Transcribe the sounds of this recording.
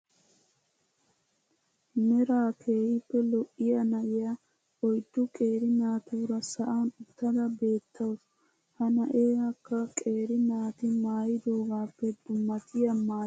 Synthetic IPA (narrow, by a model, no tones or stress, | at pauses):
nɛɾaːkʰe̞ːhɪpːɛlɔʔːɪjɐnɐʔɪja | ɔjt̪ːʊkʼe̞ːɾɪnaːt̪uːɾɐsɐʔaːnʊt̪ːɐd̪ɐbe̞ːt̪ʰːɐws | hɐnɐʔeːhɐkːɐkʼe̞ːɾɪnaːt̪ɪmaːjɪd̪o̞ːɡaːpːɛd̪̥ʊmːɐt̪ʰɪjɐmaː